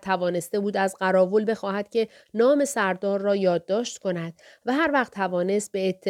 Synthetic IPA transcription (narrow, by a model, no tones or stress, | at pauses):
t̪ʰævɒːne̞st̪e̞buːd̪æzɢæɾɒːvolbe̞xɒːhæd̪̥cʲʰe̞ | nɒːme̞sæɾd̪ɒːɾːɒːjɒːd̪ːɒːʃt̪kʰo̞næd̪̥̚ | væɦæɾvæχt̪ʰːævɒːne̞st̪̚be̞ːt̪ʰːe